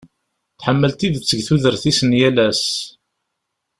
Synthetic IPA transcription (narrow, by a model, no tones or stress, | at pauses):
θħəmːəlt̪iðət͡sːəɡθuðəɾθisənjælæs